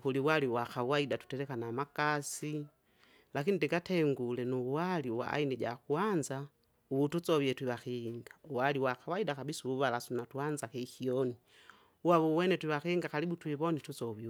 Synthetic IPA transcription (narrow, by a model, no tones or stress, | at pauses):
kuliwaliwaxawaidatu̥tɛɾɛkanamakasi | lakinidɛɡatɛŋɡulɛnuwaliwa̰a̰inid͡ʒa̰kuanza | uβutut͡sɔβiɛtwiβaxiŋɡauwaliwaxawaidakabisuuβalasunatuanzakɛxiɔni | uwaβuwɛnɛtwiβaxiiŋɡaxalibutwiβɔnitut͡sɔβi